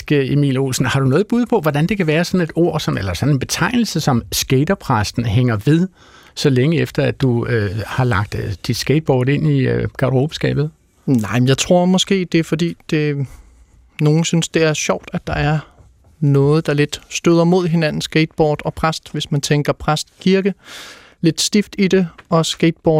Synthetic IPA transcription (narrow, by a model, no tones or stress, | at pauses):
emḭːlo̝̰sn̩hɑ̈ɾ̥unɔ̽ːð̩ˠb̥uð̞ˠpʰɒ̽ʋɒd̥ænd̥e̝kʰæʋæːɐsɒ̽ne̝d̥o̝ɐ̰sɒ̽nelɐsɒ̽ne̝nb̥e̝t͡sʰɑ̈ɪ̰nl̩səsɒ̽msɡ̥eɪd̥ɐpʰʁasd̥n̩ɦeŋɐʋe̝ðˠ | sɒ̽leŋəefd̥ɐæ̥uøhɑ̈lɑ̈ɡ̥̚d̥d̥id̥sɡ̥ed̥̚b̥ɒːd̥e̝n̰iɡ̥ɑ̈ʁob̥sɡ̥ɛ̰ːb̥ð̩ˠ | nɑ̈ɪ̰mnjɑ̈ɪt͡sʰʁo̝ɐ̰mɒ̽sɡ̥e̝̰ːd̥e̝fɒ̽d̥ḭːd̥e̝ | no̝ːn̩synsd̥e̝æɐɕɒʊ̰d̥æd̥ɑ̈æɐ | nɔ̽ːð̞̩ˠd̥ɑ̈le̝d̥sd̥øð̰ˠɐmo̝ð̞̰ˠɦe̝næn̰n̩sɡ̥eːd̥b̥ɒːd̥ɒ̽pʰʁasd̥ʋe̝smænt͡sʰeŋɡ̥ɐpʰʁasd̥kʰiɐɡ̥ə | le̝d̥sd̥ifd̥id̥e̝ɒ̽sɡ̥ed̥̚b̥ɒ̥ː